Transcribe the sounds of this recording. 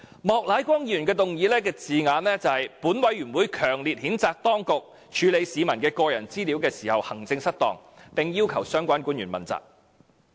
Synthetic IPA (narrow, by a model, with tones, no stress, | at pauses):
mɔː˨k̚laː˨˥jkʷɐ˥ŋjyː˨˩nkɛː˧t̪ʊ˨ŋjiː˨˧lɛː˥kɛː˧t͡siː˨ŋaː˨˧nlɛː˥t͡sɐ˨˧whɐ˨jpuː˨˥nwɐ˨˥jɥyː˨˩nwuː˨˥jkʰœː˨˩ŋliː˨t̚hiː˨˥nt͡saː˨k̚t̪ɔː˥ŋkʊ˨k̚ | t͡ʃʰyː˨˧le˨˧jsiː˨˧mɐ˨˩nkɛː˧kɔː˧jɐ̰˨˩nt͡siː˥li˨˥wkɛː˧siː˨˩hɐ˨whɐ˨˩ŋt͡sɪ˧ŋsɐ˥t̚t̪ɔ̰ː˨ŋpɪ˨ŋjiː˥wkʰɐ˨˩wsœː˥ŋkʷaː˥nkuː˨˥njyː˨˩nmɐ̰˨˩nt͡sa̰ː˨˩k̚